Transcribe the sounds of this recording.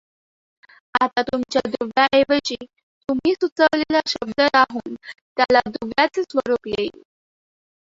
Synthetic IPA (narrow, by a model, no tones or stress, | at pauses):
at̪at̪umt͡ɕjad̪uʋjaʔeʋət͡ɕi | t̪um̤iːsut͡səʋlelaɕəb̚d̪əɾaɦuːnt̪jalad̪uʋjat͡sesʋəɾupjeji